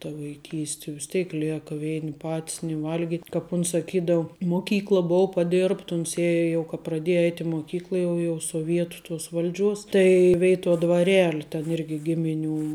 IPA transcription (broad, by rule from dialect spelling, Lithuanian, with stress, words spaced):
tɐ ʋɐɪˈkʲiːsʲtʲɪ ʋʲɪs ˈtʲeːɪk ˈlʲeːkɐ ˈʋʲɛɪnʲɪ ˈpɐtʲs nʲɪ ˈʋɐlʲɡʲɪtʲ kɐp ˈʊns sɐˈkʲiːdɐʊ moːˈkʲiːklˠɐ ˈbʊʊ pɐˈdʲɪrpt ˈʊns ˈeːjɛ jɛʊ kɐ prɐˈdʲeːjɛ ˈɛɪtʲ ɪ moːˈkʲiːklˠɐ jɛʊ jɛʊ soːˈʋʲiɛtʊ tuɔs ˈʋɐlʲˌd͡ʒʲuɔs tɐɪ ˈʋʲɛɪtuɔ dʋɐˈrʲæːlʲɪ tʲɛn ˈɪrʲɡʲɪ ˈɡʲɪmʲɪˌnʲuː